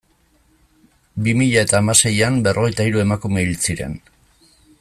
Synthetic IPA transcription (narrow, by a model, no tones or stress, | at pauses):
bimiʎae̞t̪aːmase̞jambe̞rʔo̞ɣ̞e̞jt̪aiɾue̞makume̞ilt͡siɾe̞̰n